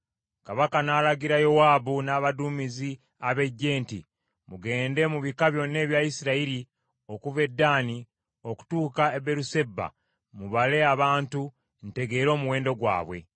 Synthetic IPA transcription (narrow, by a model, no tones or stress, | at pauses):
kaβakanaːlaɡiɾajo̞waːbunaːβaduːmizi | aβe̞ɟːe̞ːntḭ | muɡe̞ːnde̞muβikaβjo̞nːe̞ːβjajisiɾaiɾi | o̞kuve̞dːaːni | o̞ku̥tuːkaebe̞ɾuse̞ba̰ | muβale̞aβaːntu | nte̞ɡe̞ːɾo̞ːmuwe̞ːndo̞ɡwa̰ːβwe̞̰